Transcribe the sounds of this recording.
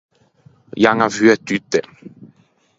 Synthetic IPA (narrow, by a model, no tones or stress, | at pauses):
jaŋavyɛt̪yt̪ːɛ